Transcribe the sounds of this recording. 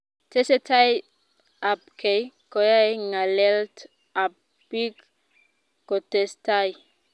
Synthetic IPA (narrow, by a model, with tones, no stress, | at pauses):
te˦se˦ta˦j | a˨p̚kʰe˨j | ko˨ja˦jŋa˨le˦lt | a˨p | pi˦k | ko˨te˨staj